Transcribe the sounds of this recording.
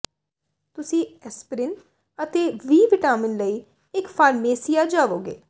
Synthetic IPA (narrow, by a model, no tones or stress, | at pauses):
t̪ʊsĩːɛspɾɪn | ət̪eːʋiːʋɪʈaːmɪnləiː | ɪkfʰaːɾmeːsijaːd͡ʒaːʋoːɡḛː